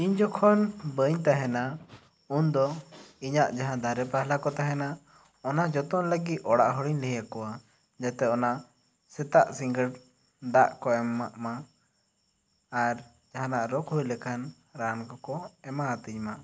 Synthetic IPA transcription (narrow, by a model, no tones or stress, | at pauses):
iɲd͡ʒɔkʰɔnbəɲt̪aɦɛna | und̪ɔiɲaʔd͡ʒaɦãd̪ʱaɾɛpaɦlakɔt̪aɦɛna | ɔnad͡ʒɔt̪ɔnləɡit̪̚ˀɔɽaʔɦɔɽiɲlɛɦjakɔwa | d͡ʒat̪ɛɔna | sɛt̪aʔsiŋɡəɽ | ɖaʔkɔɛmːaʔma | ɾ | d͡ʒaɦãnaʔɾɔkɦujlɛkʰan | ɾankɔkɔɛmaat̪iɲma